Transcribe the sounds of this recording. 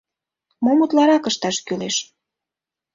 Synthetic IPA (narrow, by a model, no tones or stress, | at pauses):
momut̪lɑɾɑkəʃt̪ɑʃkyleʃ